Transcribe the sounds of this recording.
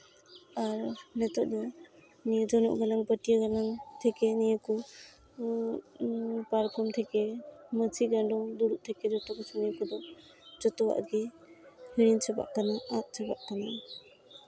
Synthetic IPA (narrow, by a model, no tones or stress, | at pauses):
aɾnɛt̪ɔʔ̚d̪ɔ | nijad͡ʒɔnɔ̰ʔɡalaŋpətijaɡalaŋt̪ʰɛkenijaku | paɾkʰɔmt̪ʰɛkemət͡ʃʰiɡandɔŋd̪uɾuʔ̚t̪ʰɛkedɔtɔkasɔnijakud̪ɔ | d͡ʒɔtɔwa̰ʔɡehiɾint͡ʃʰaba̰ʔkanaʔːt̚t͡ʃʰabaʔ̚tʰana